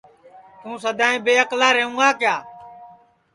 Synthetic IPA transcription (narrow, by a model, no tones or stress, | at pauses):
t̪ũːsəd̪ʱaːẽːbeːəklaːɾeːũːɡaːkjaː